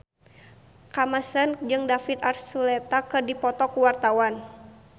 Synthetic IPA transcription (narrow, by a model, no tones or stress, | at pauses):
kamasənd͡ʒɨŋdafit̪arsulɛt̪akɨrdipɔt̪ɔkuwart̪awan